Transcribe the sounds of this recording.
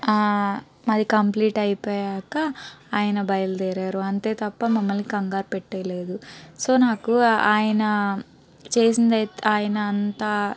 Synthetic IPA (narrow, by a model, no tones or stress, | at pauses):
mɐd̪ikɐmpliːʈɐjpoːjaːkɐaːjɐnɐbɐjɐld̪ɛːɾaːɾuɐnt̪e̞ːt̪ɐpːɐmɐmːɐlnikɐŋɡaːɾpɛʈːɐjle̞ːd̪uso̞ːnaːkuaːjɐnɐ | t͡ʃe̞ːsind̪ɐjt̪aːjɐnɐːnt̪aː